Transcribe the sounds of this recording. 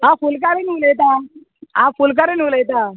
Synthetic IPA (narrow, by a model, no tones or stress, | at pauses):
ɦãfulk̬aɾeniuləjt̪a | ɦãfulk̬aɾenuləjt̪a